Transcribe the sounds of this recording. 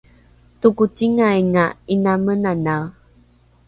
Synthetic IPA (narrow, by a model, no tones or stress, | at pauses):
tukutiŋajŋainamənanaw